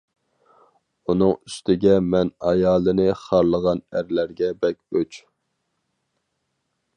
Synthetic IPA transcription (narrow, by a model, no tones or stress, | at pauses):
unɨŋyst̪ʰɪɡʲɛmɛnɑjɑːlˠɨnɨχɑɾlˠəʁɑnæɾlæɾɡʲɛbɛkʲøt͡ʃ